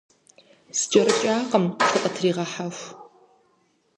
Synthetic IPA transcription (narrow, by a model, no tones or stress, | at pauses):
sd͡ʒɐrɨt͡ʃʼaːqəmʃʰɨqʼɐtʰriːʁɐħaxʷ